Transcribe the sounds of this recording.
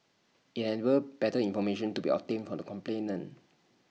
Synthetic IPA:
itɛnwəb̥ɛtəĩnfɔmeʃə̃ntubḭɔ̰p̚tẽnfɔdəkʰɔ̃mplẽnə̃n

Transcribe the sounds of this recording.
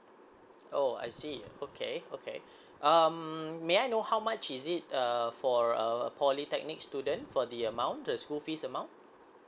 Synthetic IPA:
oa̰jsiokʰeokʰḛ | ʔʌmmeajnohawmat͡ʃisit̚əfɔɹəpʰɔlitɛk̚nik̚studə̃nfɔdiəmãw̃ntdəskulfisəmãw̃nt̚

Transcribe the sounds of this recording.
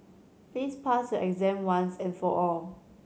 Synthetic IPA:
plispʰastuʔɛkzɛ̃mwãnsɛ̃nfɔʔɔl

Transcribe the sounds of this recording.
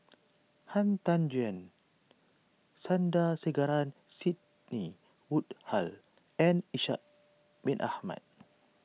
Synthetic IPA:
hant̪and͡ʒuɛn | sandasəɡaɾansit̪̚ | ni | wut̪hal | ɛniʃa̰ʔ | binʔa̰hma̰t̪̚

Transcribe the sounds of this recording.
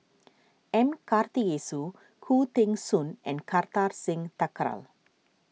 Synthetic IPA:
ʔɛ̃mkart̪ijesu | kʰut̪ɪ̃ŋsunɛ̃nkart̪arsɪ̃ŋt̪akɾa̰l

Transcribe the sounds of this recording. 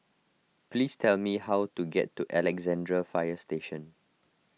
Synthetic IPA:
plistʰɛlmihawtuɡɛ̰tːuʔɛlɛɡzɛ̃ndɹəfajəsteʃə̃n

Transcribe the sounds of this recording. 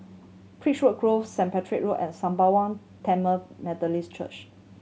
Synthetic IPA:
pʰɹiʃwəʔ̚ɡ̥ɹofsɛ̃mpɛtʰɹikɹuʔɛ̃nsãmbawãn | tʰɛ̃məmɛdəlist͡ʃə̰t͡ʃ

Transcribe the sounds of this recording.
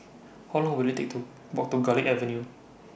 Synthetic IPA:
hɔlɔ̃ŋwilit̪ḛk̚t̪u | bɔk̚t̪uɡaliʔɛvənju

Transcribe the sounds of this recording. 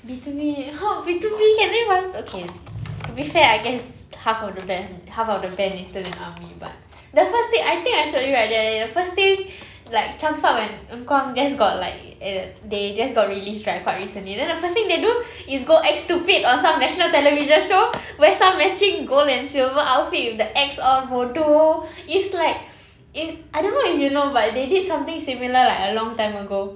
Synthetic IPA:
bitubihabitubikɛ̃newasokʰetubifɛaɪɡɛs | hafɔfdəbɛnhafɔfdəbɛ̃nistilɛ̃namiba̰t̚ | dəfəst̪ĩŋajt̪ĩŋkaɪʃojuɹaɪt̚dɛɛdəfəst̪ɪ̃ŋ | laɪk̚t͡ʃãmsapwɛ̃nə̃ŋkwãŋd͡ʒas̬ɡɔt̚laɪk̚ | ɛded͡ʒasɡɔt̚ɹilistɹaɪkʰːwaɪt̚ɹisə̃nlidɛ̃ndəfəst̪ĩŋdedu | isɡoʔɛkstupitɔ̃nsãmnɛʃɔnəltɛləviʒə̃nʃo | wɛsãmːɛsĩŋɡolɛ̃nsilvəʔalfitifdəʔɛksɔvodoɪslaɪk̚ | itaɪjdõnːoifjunobat̚dedidsãmt̪ɪ̃ŋsimiləlaɪkəlɔ̃ŋtãɪ̃məɡo

